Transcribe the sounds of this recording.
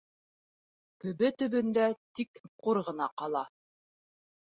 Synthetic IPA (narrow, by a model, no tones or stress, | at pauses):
kɵ̆βɘt̪ɵ̆βɵ̆nd̪æt̪ikquɾʁɤ̆nɑqɑlˠɑ